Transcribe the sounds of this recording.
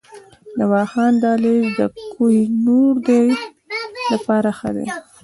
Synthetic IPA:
nawɑxɑnd̪ɑleʒd̪əkʰujinoɾd̪ej | lapɑɾaxə̰d̪ḛ

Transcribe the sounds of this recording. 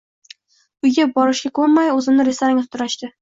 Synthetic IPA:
ʊjɡʲap̚bɒɾɪʃɡʲakʰɵɾmajɵzɪmnɪɾesaɾɪŋʲat̪t̪ʰʊɾaʃt̪ɪ

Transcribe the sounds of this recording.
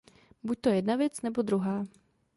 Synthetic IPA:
buc̚t̪ojɛdnavjɛt͡snɛbo̞d̪ɾuɦaː

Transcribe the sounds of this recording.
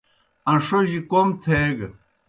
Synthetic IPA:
ɐ̃ʂoʑikomt̪ʰeɡ

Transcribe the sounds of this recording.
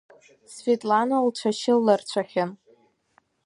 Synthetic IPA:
sfetʼlanolʈ͡ʂʷʰaʃɪlːart͡ɕʷʰaχʲan

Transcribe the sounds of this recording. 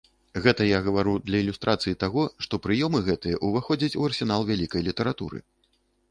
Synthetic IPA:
ɣɛt̪ɐjaɣɐvaɾud̪lʲɐilʲust̪ɾʔat̪sɨjit̪aɣɔʂt̪ɔpɾɨjɔmɨɣɛt̪ɨjɛʔuvaxɔd͡zʲɐt͡sʲuɐrsʲɛn̪alˠvʲalʲikɐjlʲit̪ɐɾat̪ṵɾɨ̰

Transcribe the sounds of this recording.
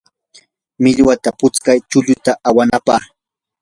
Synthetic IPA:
mɪʎwat̪apʊt͡skajt͡ʃʊʎʊt̪aʔawanapaχ

